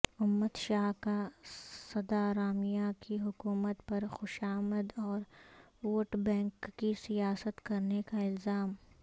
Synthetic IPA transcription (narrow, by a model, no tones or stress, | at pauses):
ʊmːət̪ʃaːɦkasɐd̪aɾaːmijakiɦʊkuːmət̪pɐɾxʊʃaːməd̪ɔːɾoːʈbɛ̃ːŋkːisijaːsət̪kɐɾnekaɪlzaːm